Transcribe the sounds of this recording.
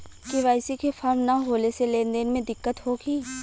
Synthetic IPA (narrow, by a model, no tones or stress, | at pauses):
kiʋaːɪsikefʰɐɾmnaɦoːleseleːnd̪enmẽd̪ɪkːət̪ɦoːɡiː